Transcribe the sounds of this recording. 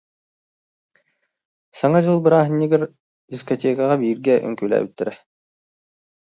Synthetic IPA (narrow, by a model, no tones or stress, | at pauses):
saŋad͡ʑɯlˠbɯɾaːɦɯ̆nʲːiɡɛɾ | d̪ʲiskɔt̪ʲeːkaʁabiːɾɡɛʔœ̰ŋkyːlʲæ̰ːbyt̪ːɛɾɛ